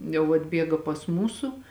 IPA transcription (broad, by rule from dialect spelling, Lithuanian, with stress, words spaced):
jɛʊ ɐdʲˈbʲiɛɡɐ pɐs ˈmuːsʊ